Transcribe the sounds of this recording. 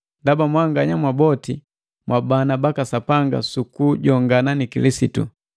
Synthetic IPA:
ndabamwaŋɡaɲamwabɔti | mwabanabakasapaŋɡa̰sukuɟɔŋɡananikilisitṵ

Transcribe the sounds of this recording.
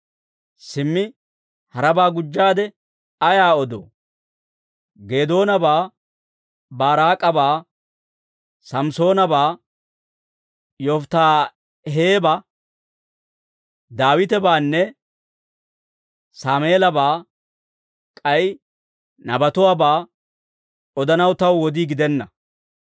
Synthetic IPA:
sɪmːɪ | hɐɾɐbaːɡʊd͡ʒːaːd̪ɛ | ɐjaːɔd̪o̰ː | ɡe̞ːd̪o̞ːnɐbaː | baːɾaːkʼːɐbaː | sɐmso̞ːnɐbaː | jɔft̪aː | ɦeːbɐ | d̪aːwɪt̪ɛbaːnːɛ | saːmeːlɐbaː | kʼɐj | nɐbɐt̪ʊwaːbaː | ɔd̪ɐnɐwt̪ɐwːɔd̪iɡɪd̪ɛnːɐ

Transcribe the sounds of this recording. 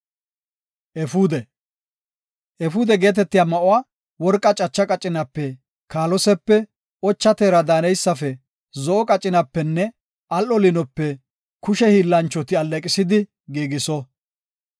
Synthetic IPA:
ʔɛfuːd̪ɛ | ʔɛfuːd̪ɛɡe̞ːt̪ɛt̪ːɪjaːmɐʔʊwaː | wɔɾkʼːɐt͡ʃʼɐt͡ʃːɐkʼɐt͡ʃʼːɪnɐpːɛ | kaːlɔsɛpːɛ | ʔɔt͡ʃːɐt̪eːɾɐd̪aːnɛjsːɐfɛ | zɔʔɔkʼɐt͡ʃʼːɪnɐpːɛnːɛ | ʔɐlʔɔlɪnɔpːɛ | kʊʃɛhiːlːɐnt͡ʃːɔt̪ɪɐlːɛkʼɪsɪd̪ɪ | ɡiːɡɪsɔ

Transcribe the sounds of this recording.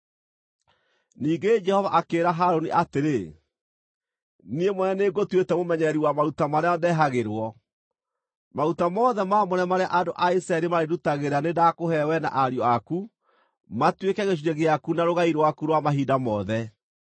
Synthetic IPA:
niːɡed͡ʒɛhɔvaʔakeːɾaɦaɾoniʔateɾe | niemɔnɛneɡotwetɛmomɛɲɛɾiwamaɾutamaɾeɔndɛɦaɣeɾwɔ | maɾutamɔðɛmaːmɔɾɛmaɾeaʔadoʔaisɾaɛɾemaɾedutaɣeɾanedakohɛwɛna̰ʔaɾjɔaku | matwekɛɣeʃ̬iɾɛɣeakunaɾoɣaiɾwakuɾwamaɦidamɔðɛ

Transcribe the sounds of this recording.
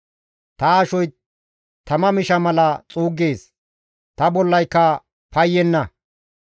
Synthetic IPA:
t̪ɐːʃɔj | t̪ɐmɐmɪʃɐmɐlɐt͡sʼuːɡeːs | t̪ɐbɔlːɐjkːɐ | pɐjːɛnːɐ

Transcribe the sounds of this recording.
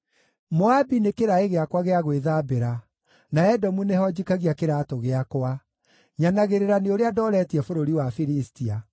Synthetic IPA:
mɔabinekeɾaeɣeakwaɣeaɣweðabeɾa | naɛdɔmuneɦɔd͡ʑikaɣiakeɾatoɣeakoa | ɲanaɣeɾeɾaneoɾeadɔːɾɛtiɛfoɾoɾiwafiɾistia

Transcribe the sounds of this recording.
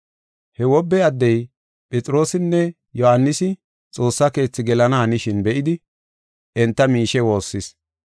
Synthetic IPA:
hɛwɔbːɛɐd̪ːɛj | pʼɛt͡sʼɪɾo̞ːsɪnːɛ | jɔhanːɪsɪ | t͡sʼo̞ːsːɐke̞ːt͡sːɪɡɛlɐnɐhɐnɪʃɪnbɛʔɪd̪ɪ | ɛnt̪ːɐmiːʃɛwo̞ːsːɪs

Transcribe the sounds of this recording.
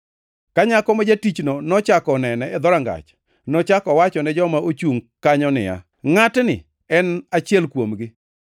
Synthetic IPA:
kaɲakɔmad͡ʒatit͡ʃnɔnɔt͡ʃakɔnɛnɛɛd̪ɔɾaŋɡa̰t͡ʃ | nɔt͡ʃakɔwat͡ʃɔnɛd͡ʒɔmaʔot͡ʃuŋkaɲɔnɪ̰ja̰ | ŋatnɪ̰ | ɛnat͡ʃjɛlkwomɡɪ

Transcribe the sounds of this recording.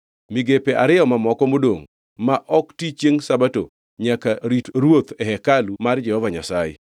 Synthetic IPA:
miɡepeʔaɾɪɔmamɔkɔmodo̰ŋ | maʔɔktit͡ʃjeŋsabato | ɲakaɾitɾwot̪ɛɦɛkalumard͡ʒɛhɔvaɲasajɪ̰

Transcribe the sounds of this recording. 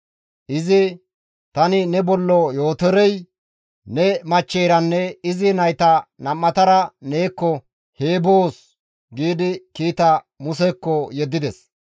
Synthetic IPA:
ʔɪzɪ | t̪ɐnɪnɛbɔlːɔjo̞ːt̪ɛɾɛj | nɛmɐt͡ʃːeːɾɐnːɛɪzɪnɐjt̪ɐnɐmːɐt̪ɐɾɐne̞ːkːɔ | heːboːs | ɡiːd̪ɪkiːt̪ɐ | mʊsɛkːɔjɛd̪ːɪd̪ɛs

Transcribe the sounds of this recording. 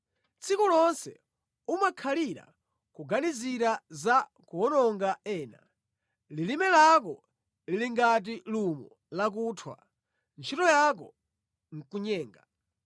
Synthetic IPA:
t͡sʰikulɔnsɛ̰ | umakʰaliɾa̰ | kuɡaniziɾaza | kuɔnɔŋɡaɛːna̰ | lilimɛlak̬ɔ | liliŋɡat̬ilumɔ | lak̬uːtʰwa̰ | nt͡ʃʰitɔjak̬ɔ | ŋ̩kuɲɛːŋɡa

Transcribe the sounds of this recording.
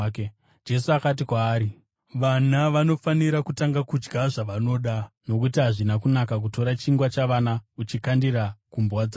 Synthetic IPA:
ke | d͡ʒe̞suakat̬ikwaːɾi | ʋanaʋano̞faniɾakutaŋɡakud͡ʒɡaʐaʋano̞ɗano̞kutiɦaʐinakunakak̬uto̞ɾat͡ʃiŋɡwat͡ʃaʋanaut͡ʃikandiɾakumbwaːd͡za

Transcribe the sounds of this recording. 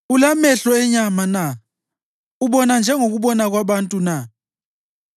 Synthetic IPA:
ulamɛɬɔɛɲamana | uɓɔnand͡ʒʱɛŋoɣuɓɔnaɣ̬waɓantʼuna

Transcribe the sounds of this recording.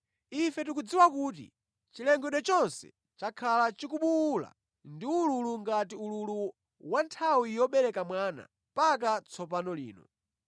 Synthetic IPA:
ifɛt̬ukud͡ziwakuːt̬ḭ | t͡ʃilɛŋɡɛɗɔt͡ʃɔnsɛ̰ | t͡ʃakʰalat͡ʃikuɓula̰ | ndiululuŋɡatiululu | wantʰawijɔɓɛɾɛkamwaːna̰ | mpak̬at͡sʰɔp̬anɔlḭːnɔ̰

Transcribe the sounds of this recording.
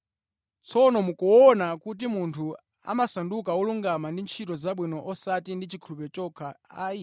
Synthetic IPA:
t͡sʰɔnɔmukɔɔnakut̬imuntʰu | a̰masandukawɔluŋɡamandint͡ʃʰitɔzaɓwinɔʔɔsatindit͡ʃʰikʰulupɛt͡ʃɔkʰaai

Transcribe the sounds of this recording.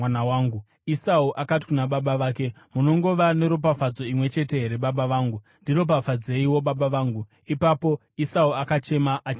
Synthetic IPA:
anawaːŋɡu | isauʔakati̥kunaɓaɓaʋaːke̞ | muno̞ŋɡo̞ʋane̞ɾop̬afad͡zo̞imwe̞t͡ʃe̞te̞ɾeɓaɓaʋaːŋɡu | ndiro̞p̬afad͡ze̞iwo̞ɓaɓaʋaːŋɡu | ipapo̞ | isauakat͡ʃe̞maʔat͡ʃ

